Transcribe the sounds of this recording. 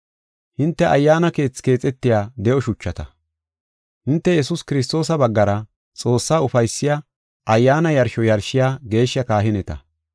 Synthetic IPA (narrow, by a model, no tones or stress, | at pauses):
hɪnt̪ːɛʔɐjːaːnɐke̞ːt͡sːke̞ːt͡sʼɛt̪ːɪjaːd̪ɛʔɔʃʊt͡ʃːɐt̪ɐ | hɪnt̪ːɛjɛsʊskɪɾɪs̬t̪o̞ːsɐbɐɡːɐɾɐ | t͡sʼo̞ːsːaːʊfɐjsːɪja | ʔɐjːaːnɐjɐɾʃɔjɐɾʃɪjaːɡe̞ːʃːjɐkaːɦɪnɛt̪ɐ̰